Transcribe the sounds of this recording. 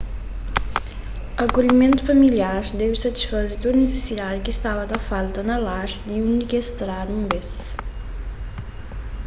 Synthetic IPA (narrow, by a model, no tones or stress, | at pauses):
ɐkoʎimẽnt̪u̥fɐmiljaɾd̪ewsɐt̪i̥sfɐzit̪onese̥sid̪ad̪kist̪avɐd̪ɐfalˠt̪ɐnɐlaʃd̪iunikest̪ɾad̪ũmbes